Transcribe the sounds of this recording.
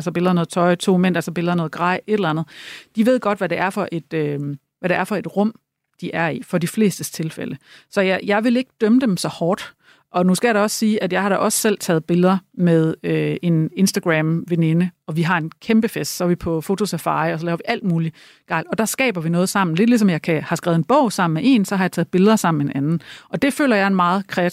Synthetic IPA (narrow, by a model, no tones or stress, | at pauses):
ælsɐb̥e̝lðˠɐnɔ̽ːð̩ˠt͡sʰɒ̽ɪt͡sʰo̝̰ːmen̰ʔælsɒb̥e̝lðˠɐnɔ̽ːð̩ˠɡ̥ʁɑ̈ɪ̰e̝ɾ̥elænð̩ˠd̥iʋe̝ð̞̰ˠɡ̥ɒ̽d̥ʋæɾeæɐfɒ̽ʔe̝d̥ø | ʋæɾeæɐfɒ̽e̝d̥ʁɔ̽m̰ | d̥iʔæɐifɒ̽difle̝̰ːsd̥əst͡sʰe̝lfḛlʔəsɒ̽jjɑ̈ɪʋe̝le̝ɡ̥əd̥œməd̥emsɒ̽hɒːd̥ | ʔɒ̽nuskɡ̥æjɑ̈ɾɑɒ̽ssiːʔæd̥jɑ̈ɪhɑ̈ɾ̥ɑʔɒ̽ssel̰t͡sʰɛ̰ːð̞̩ˠb̥e̝lðˠɐmeð̞ˠøe̝ne̝nsd̥æɡ̥ʁæmʋene̝nəɒ̽ʋiɦɑ̈e̝nkʰemb̥əfesd̥sɒæʋipʰɒ̽fo̝t͡sʰo̝sæfɑ̰̈ːɪɒ̽s̬ɒ̽lɛːʊɐʋiʔæl̰d̥muːli | ɡ̥ɑ̈ɪlɒ̽d̥ɑ̈sɡ̥ɛ̰ːb̥ɐʋinɔ̽ːð̩ˠsɑ̈m̰n̩le̝d̥lis̬ɒ̽mjɑ̈ɪkʰæhɑ̈sɡ̥ʁɛʊð̩ˠenb̥ɔ̽ʊ̰sɑ̈m̰n̩meʔe̝̰ːnsɒhɑ̈jɑ̈t͡sʰɛːð̩ˠb̥e̝lðˠɐsɑ̈m̰n̩menʔænn̩ʔɒ̽d̥e̝fø̰ːlɐjɑ̈ɪe̝nmɑ̈ːð̩ˠkʰʁɛæ